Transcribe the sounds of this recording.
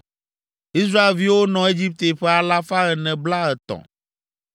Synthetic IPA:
i˦s̬ɾa˦e˨lvi˦wo˦nɔ̃˨e˦d͡ʑi˦p̚t̪e˨ɸɛ˦a˨la˦fa˦ɣɛ˨nɛ̃˨bla˦ɛ˨t̪ɔ̰̃˨

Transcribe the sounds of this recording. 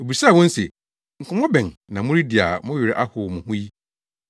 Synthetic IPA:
o˨bi˨sa˦˨wɔ̃˦n̩˦se˨ | ŋ̩˨kʰʊ̃˨mɔ̃˦bɛ̃˨nnã˨mʊ̃˦ɾi˦dɪ˨a˨mʊ̃˦jɥɪ˨ɾɪ˦ʔa˦hʊ˨mʊ̃˨hʊ̃˦ji˦

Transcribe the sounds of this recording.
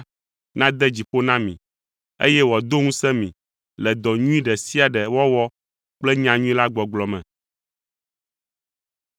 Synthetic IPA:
nã˦d̪ɛ˦d͡ʑi˨ɸo˦nã˦mĩ˨ | ḛ˦jɛ˦wɔ˨d̪o˦ŋũ˦sɛ˦mĩ˨ | lɛ˨d̪ɔ˨ɲũ˦ĩ˦ɖɛ˨si˦a˨ɖɛ˨wɔ˦wɔ˦ | k͡plɛ˦ɲã˨ɲũ˦ĩ˦la˦ɡ͡bɔ˨ɡ͡blɔ˨mɛ̰̃˨

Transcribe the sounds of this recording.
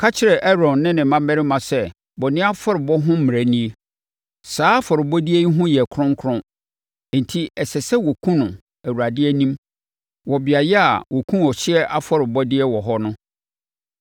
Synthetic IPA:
kʰa˦t͡ɕʰɪ˦ɾɛ˨ʔɛ˦ɾɔ̃˨nːɪ̃˦nɪ̃˨mã˦mɛ˦ɾɪ˦mã˨sɛ˦ | bɔ˨nɪ̃˦a˦fɔ˦ɾɪ˨bɔ˦ɦʊ̃˦m̩˦mɪ̃˨æ˨nĩ˦e˦ | saː˦fɔ˨ɾɪ˨bɔ˦di˦e˦i˦ɦʊ̃˦jɛ˨kʰɾʊ̃˦ŋ˦kʰɾʊ̃˦˨ | n̩˨tʰi˦ɛ˨sɛ˨sɛ˦wɔ˨kʰũ˦nʊ̃˨ | æ˨wu˨a˨dɪ˦ɛ˦nĩ˦m | wɔ˨bɪ˨a˨jɛ˦a̰˨wʔɔ˨kʰũ˦ɔ˨ɕɪ˦ɛ˦ʔa˦fɔ˦ɾɪ˨bɔ˦dɪ˦ɛ˦wɔ˨ɦɔ˦nʊ̃˦

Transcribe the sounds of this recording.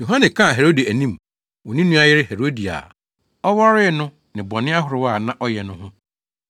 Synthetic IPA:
jo˨ɦã˦nɛ̃˨kʰã˦˨ɦe˨ɾo˦di˨æ˨nĩ˦m | wɔ˨nĩ˦nũ˦a˦jɪ˦ɾɪ˦hɛ˨ɾo˦di˨a̰˨ | ɔ˦wa˦ɾɪ˦˨nʊ̃˦ | nɪ̃˨bɔ˨nɪ̃˦a˦ɦʊ˨ɾɪ˨˦wa˦˨nã˨ʔɔ˦jɛ˨nʊ̃˦ɦʊ̃˦

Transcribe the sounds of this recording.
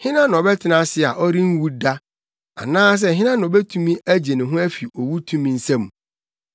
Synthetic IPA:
hɪ̃˦nã˦nʊ̃˨ɔ˨bɛ˦tʰɪ˨nã˦sɪ˦˨a˨ʔɔ˦ɾĩ˦n̩˦wu˦da˦ | a̰˨nãː˦s̬ɛ˦˨ɦɪ̃˦nã˦nʊ̃˨ɔ˨bɛ˦tʰũ˦mĩ˦ʔæ˦d͡ʑe˨nɪ̃˨ɦʊ̃˦æ˦fi˨ɔ˨wu˦tʰũ˦mĩ˨n̩˦sɛ̃˦m˨

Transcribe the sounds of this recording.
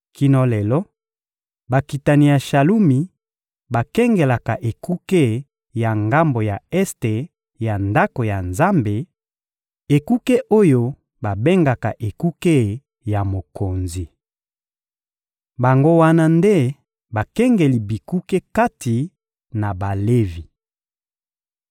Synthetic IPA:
ki˦nɔ˦le˨lɔ˦ | ba˨ki˨ta˨ni˨ja˨ʃa˨lu˦mi˨ | ba˨kɛ˦ŋɡe˨la˨ka˨ʔe˨ku˦ke˦ | ja˨ŋɡa˦mbo˨ja˨ɛ˦ste˨ | ja˨nda˦ko˨ja˨nza˦mbe˨ | e˨ku˦ke˦ʔo˦jo˦ | ba˨be˦ŋɡa˨ka˨ʔe˨ku˦ke˦ | ja˨mo˨ko˨nzi˨ | ba˨ŋɡo˦wa˦na˦nde˦ | ba˨kɛ˦ŋɡe˨li˨bi˨ku˦ke˦ka˦ti˨ | na˨ba˨le˦vi˨

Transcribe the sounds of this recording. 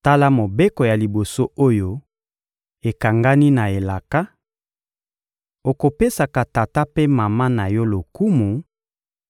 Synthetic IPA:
ta˦la˦mo˨be˦kɔ˨ja˨li˨bo˨so˦o˦jo˦ | e˨ka˨ŋɡa˦ni˦na˨e˨la˨ka˦ | o˨ko˨pe˦sa˨ka˨ta˨ta˦pe˦ma˨ma˦na˨jɔ˦lo˨ku˦mu˨

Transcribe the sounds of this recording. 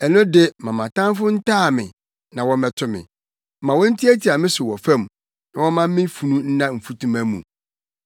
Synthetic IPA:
ɛ˨nʊ̃˦de˦mã˨mã˨tã˦mfʊ˦n̩˦tʰaː˦˨mɪ̰̃˨ | nã˨wɔ˦mɛ˨tʰʊ˦mɪ̰̃˨ | mã˨wɔ̃˦n̩˦tʰi˦æ˦tʰi˨a˨mɪ̃˦sʊ˨wɔ˨fɛ̃˦˨m | nã˨wɔ˦mã˦m˦mɪ̃˦fu˨nũ˦n̩˦nã˦m̩˨fu˦tʰũ˦mæ˦mṵ̃˨

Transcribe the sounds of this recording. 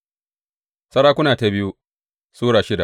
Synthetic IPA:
sɐ˦ɽaː˦kʷʊ˦naː˨ta˨bɪ˦ju˦ | suː˦ɽaː˨ʃɪ˦da˨ʔ

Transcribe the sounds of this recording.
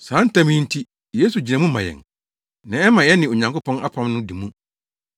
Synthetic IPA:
sã˨˦n̩˦tʰã˦mĩ˦n̩˦tʰi˦ | jeː˦su˨d͡ʑi˨nã˨mũ˦mã˨jɛ̰˨ŋ | nã˨ɛ˦mã˨jɛ˦nɪ̃˨o˨ɲã˨ŋko˦pʰɔ̃˦nʔa˦pʰã˦mnʊ̃˦di˨mũ˦

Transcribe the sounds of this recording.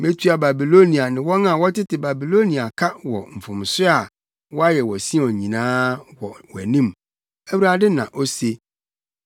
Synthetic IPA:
mẽ˦tʰɥa˨ba˨bi˨lo˦nĩ˨a˨nɪ̃˨wɔ̃˦nã˨wɔ˦tɪ˦tɪ˨ba˨bi˨lo˦nĩ˨a˨kʰa˦wɔ˨m̩˨fʊ̃˨m˨sɪ˦a˨ | wɔ˦a˦jɛ˨wɔ˨sĩ˦˨ɔ̃˨ɲĩ˨nãː˦wɔ˨wɔ˨æ˨nĩ˦m | æ˦wu˦ɾa˦dɪ˦nã̰˨ʔo˦se˦

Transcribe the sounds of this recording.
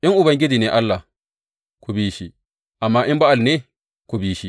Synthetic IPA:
ʔi˦nʔu˨bɐ˨˦ŋɡʲi˦d͡ʒi˨ne˨ʔa˦lːa˨ | ku˨biː˦ʃi˨ | ʔa˨mːa˦ʔi˦mba˦a˨lne˦ | ku˨biː˦ʃi˨

